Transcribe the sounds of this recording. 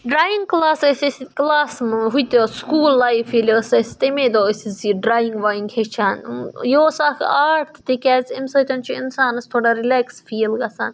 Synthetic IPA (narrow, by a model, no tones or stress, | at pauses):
ɖɾaːjiŋɡklaːsɐsʲesiklaːsmɦujt̪ʲoskuːlːajfilʲsɐsʲt̪emed̪oːsiziɖɾaːjiŋɡʋajiŋɡhet͡ʃʰaːnjoːsaːkʰaːɾt̪ʰt̪ekʲæːzʲemsɐt̪ʲɐnʲt͡ʃʰuinsaːnɐst̪ʰoɽaɾilæksfiːlɡɐsa̰ːn